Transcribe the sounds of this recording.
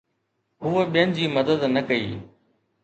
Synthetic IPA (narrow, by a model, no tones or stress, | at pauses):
ɦuːəɓijənɪ̆d͡ʑiːmɐd̪əd̪nɐkɐḭː